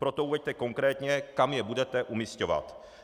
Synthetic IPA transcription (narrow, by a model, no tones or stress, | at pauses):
pɾo̞t̪ouvɛct̪ɛko̞ŋkɾɛːt̪ɲɛkamjɛbudɛt̪ɛʔumiscova̰t̪